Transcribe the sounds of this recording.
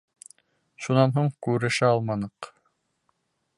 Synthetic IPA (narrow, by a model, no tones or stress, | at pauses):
ʃunɑnɦuɴkʉɾɘ̆ʃɘɑlˠmɑnɤq